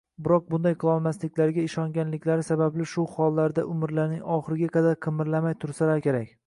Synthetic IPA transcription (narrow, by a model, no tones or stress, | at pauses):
bɪɾɒq̚bʊnd̪ajqʰɨlˠɒlˠmaslɪkʲlaɾɡʲaɪʃɒŋɡʲanlɪkʲʰlaɾɪsabablɪʃʊχɒlˠːaɾd̪aʔʊmɪɾlaɾnɪŋɒχɨɾɪɡʲaqʰɑd̪aɾqʰɨmɪɾlamajt̪ʰʊɾsalaɾkʲe̞ɾakʲ